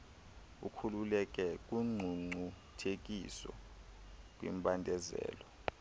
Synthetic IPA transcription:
ṵkʰululɛk̬ɛk̬ʼuŋ͡ǀʱuŋ͡ǀʱu | tʰek̬ʼḭsɔ̰ | k̬ʼwḭmbʱʼandʱɛzɛ̰ːlɔ

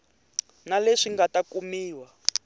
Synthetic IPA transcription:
naleʂiŋɡatakumiːwa

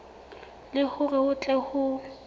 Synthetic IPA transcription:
lɪhʊrɛʊt͡ɬʼɛhʊ

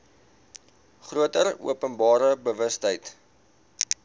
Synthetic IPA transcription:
χruətərṵəpənbɑːɾəbəvəstɦəjt

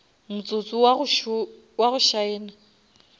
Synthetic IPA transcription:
mʊt͡sʼot͡sʼʊʃ | waɣʊʃaɛːna

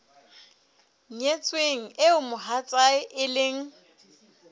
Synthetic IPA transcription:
ɲɲet͡sʼweŋ̩ɪʊmʊɦat͡sʼaɪʔɪlɪŋ̩

